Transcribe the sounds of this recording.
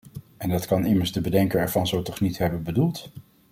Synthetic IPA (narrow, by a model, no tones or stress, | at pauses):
ɛndɑtkɑnɪməɹzdəbədɛŋkəɹɛɹv̥ɑnzowtɔχnitɦɛbənbədulˠt